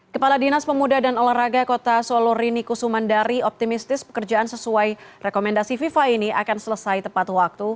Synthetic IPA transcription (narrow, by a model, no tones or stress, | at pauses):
kəpaladinaspəmudadanolaraɡakot̪asolɔɾinikusumandaɾiɔp̚t̪imist̪ɪspə̥kərd͡ʒaansəsuajrɛkomɛndasififainiakansələsajt̪əmpat̪wak̚t̪u